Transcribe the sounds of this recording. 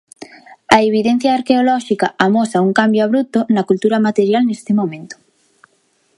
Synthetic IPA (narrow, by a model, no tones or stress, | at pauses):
aeβ̞iðẽn̟θjaːɾkeolɔʃikaamosauŋkambjoaβ̞ɾut̪onɐkult̪uɾamat̪eɾjalnest̪ɪmõmẽnt̪o̥